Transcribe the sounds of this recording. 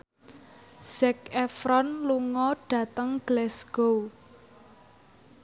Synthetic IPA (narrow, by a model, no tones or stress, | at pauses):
sɛkɛfɾɔnluŋɔɖ̥ä̤t̪əŋɡ̥lɛsɡ̥o